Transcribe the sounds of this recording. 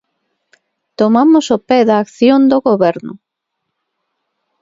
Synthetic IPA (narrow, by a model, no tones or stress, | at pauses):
t̪omamʊsopɛðɐaːkθjond̪oɣoβɛɾnʊ̰